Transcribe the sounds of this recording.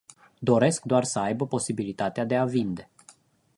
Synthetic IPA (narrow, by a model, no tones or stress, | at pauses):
d̪o̞ɾe̞skd̪oarsəajbəpo̞sibilit̪at̪ead̪e̞avind̪e̞